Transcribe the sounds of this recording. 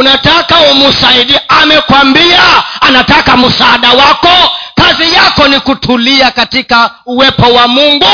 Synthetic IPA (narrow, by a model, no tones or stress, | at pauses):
unatakaumusaiɗiamɛkwambiaːnatakamusaːɗawakɔkazijakɔnikutʰuliakatikauwɛpɔwamuŋɡu